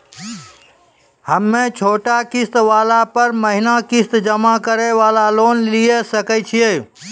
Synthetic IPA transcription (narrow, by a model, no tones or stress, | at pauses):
həmːẽt͡ʃʰoːʈakist̪ʋaːlapəɾməɦinakist̪d͡ʒəmakəɾeʋalalonlijesəkɛt͡ʃʰije